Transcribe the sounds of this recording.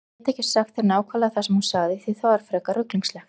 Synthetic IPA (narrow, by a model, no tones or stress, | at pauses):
t̪ɛhcːɪ̥saxt̪θeɾnaːwkʰvalaθasɛmhu̥saɣðɪθiθawvaɾ̥fɾɛːkaɾʏkliŋslɛ